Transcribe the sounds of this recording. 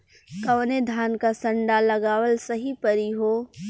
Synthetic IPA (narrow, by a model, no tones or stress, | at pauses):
kɐʋned̪ʱaːnkasɐ̃ɳɖalɐɡaːwəlsɐɦipəɾiɦoː